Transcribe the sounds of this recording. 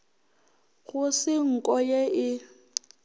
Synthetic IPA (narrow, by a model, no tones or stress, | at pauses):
ɣʊsɪŋ̩kʼɔjeɪ